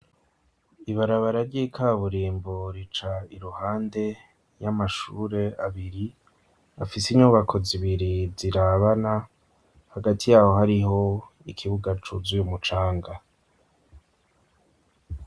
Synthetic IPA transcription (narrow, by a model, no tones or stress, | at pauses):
iβaɾaβaɾaɾɟikʰaːβuɾiːmboɾit͡ʃaiɾuhaːnde̞ | jamaʃuːɾe̞aβiɾi | afisiɲuβakʰo̞ziβiɾiziɾaβana | haɡatijaːho̞ɦaɾiɦo̞ | ikʰiβuɡat͡ʃuzujumut͡ʃaːŋɡa